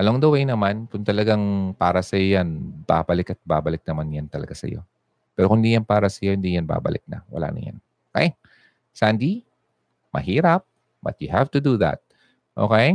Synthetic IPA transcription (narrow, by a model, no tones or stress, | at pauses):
ʔɐloŋd̪ɐwejnɐmankʊŋt̪ɐlɐɡaŋpaːɾɐsɐjojanb̥aːbɐlɪkɐt̪̚baːbɐlɪk̚nɐmanjant̪ɐlɐ̰ɡasɐ̰jo̞̰ | pɛːɾokʊŋd̪iːjanpaːɾɐsɐjo̞ʔɪnd̪ijɐnba̰ːbɐ̰lɪk̚nɐ̰wɐ̰la̰ːnɐ̰ŋja̰n | okej | sand̪i | mɐ̰hiːɾɐp̚ | bɐ̰t̪̚jʊhaft̪ʊd̪uðɐ̰t̪̚ | ʔo̰kej